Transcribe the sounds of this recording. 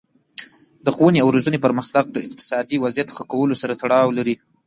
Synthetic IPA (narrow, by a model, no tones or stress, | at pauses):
d̪əxuwəneawɾazunepəɾməxt̪aɡ̚d̪əɪ̰q̚t̪ɪ̥sɑd̪iwazjat̪xakawəlosaɾat̪aɽɑwlaɾi